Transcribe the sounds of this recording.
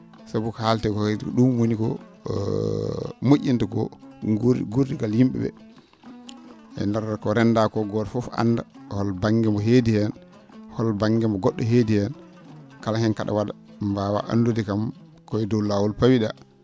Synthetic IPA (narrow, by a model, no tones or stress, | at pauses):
sabukahaltɛkɔɗumwonikɔ̰ | moʔʲːintakɔ̰ | ɡuɾdiɡaljimɓɛ̰bɛ̰ | ɛ̰ndaɾakɔɾɛnːdakɔɡɔɾfɔfa̰nːdahɔlbaŋɡɛmbɔɦedihɛn | hɔlbaŋɡɛmbɔɡɔɗːɔɦeːdihɛn | kalahɛnka̰ɗa̰wada | mbawa̰ʔa̰ndudikam | kɔjɛdɔwlaːwɔlpawiɗa